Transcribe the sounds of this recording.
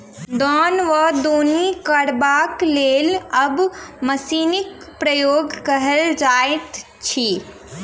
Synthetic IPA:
d̪ɔːnʋəd̪oːnikəɽbakleːləbməsiːnik̚ | pɾəjoːɡkəɦəld͡ʒaet̪ | t͡ʃʰi

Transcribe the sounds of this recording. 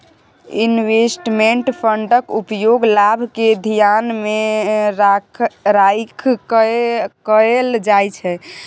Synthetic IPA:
inwesʈmeɳʈpʰəɳɖəkupjoɡlabʱked̪ʱijanmeɾ | ɾajkʰ | kəeld͡ʒajt͡ʃʰɛ

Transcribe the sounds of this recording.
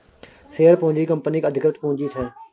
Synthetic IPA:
seːəɾpõʊ̃ɲd͡ʒiːkəmpəniːkəd̪ʱɪkɾət̪poɦʊ̃d͡ʒiːt̪ʰɛː

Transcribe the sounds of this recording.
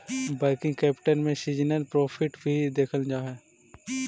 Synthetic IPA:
bɐlkɪ̃ŋɡkɛːpʈənmẽsiːd͡ʒnəlpɾɔːpʰɪʈbʱid̪eːkʰəld͡ʒaːɦɛː

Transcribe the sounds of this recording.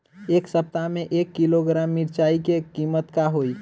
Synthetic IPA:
eksəp̚t̪ameʔekːiloɡɾamːiɾt͡ʃaikekimət̪kaɦoi

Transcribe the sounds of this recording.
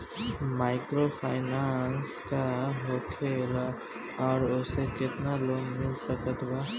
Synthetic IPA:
maːɪkɾopʰaːɪnanskaɦoːkʰeːl | ɔːɾʊsekɪt̪naloːnmɪlsəkət̪ʰba

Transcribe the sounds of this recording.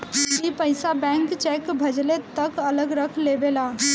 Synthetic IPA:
kipəɪsabɛ̃ŋkt͡ʃɛkbʱəd͡ʒlet̪əkələɡɾəkʰlebela

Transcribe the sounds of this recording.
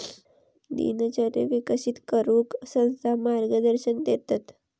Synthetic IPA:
d̪ḭnət͡ɕəɾḛʋikəsit̪kəɾuːksə̃w̃st̪ʰamaɾɡəd̪əɾɕənd̪et̪at̪

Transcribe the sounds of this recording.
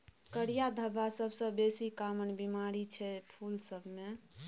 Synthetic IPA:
kəɽijad̪ʱəbasəbsə̃besikamənbimaɾit͡ʃʰɛpʰulsəbʱme

